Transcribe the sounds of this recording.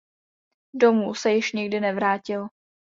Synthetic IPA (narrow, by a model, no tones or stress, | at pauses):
do̞muːsɛjɪʃɲɪɡdɪnɛvɾaːcɪl